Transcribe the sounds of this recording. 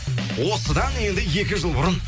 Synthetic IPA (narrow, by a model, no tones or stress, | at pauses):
wo̞səd̪ɑnje̞nd̪ɪje̞kʲɪʒəlˠbʊɾən